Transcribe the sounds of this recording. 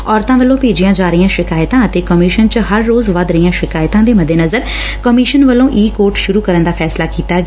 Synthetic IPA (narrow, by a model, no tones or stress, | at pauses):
ɔːɾt̪ãːʋəlːõːpeːd͡ʒijãːd͡ʒaːɾɪjãːʃɪkaːjt̪ãːət̪eːkəmɪːʃənt͡ʃəɦəɾːoːzʋəd̪ɾəijãːʃɪkaːjt̪ãːd̪eːməd̪ːeːnəzəɾ | kəmɪːʃənʋəlːõːʔiːkoːɾʈʃʊɾuːkəɾənd̪aːpʰɛːslaːkiːt̪aːɡ